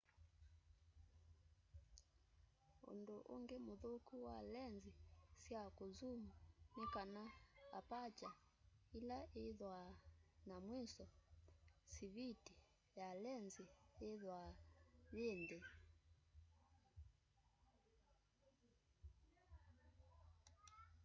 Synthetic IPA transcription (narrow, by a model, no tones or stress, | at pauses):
ṵndoʔṵŋɡɛmuðokuwalɛnzisjakuzumunikanaapat͡ʃa | ilaʔeðwanamwisɔ | siviti | jalɛnzieðwaðendɛ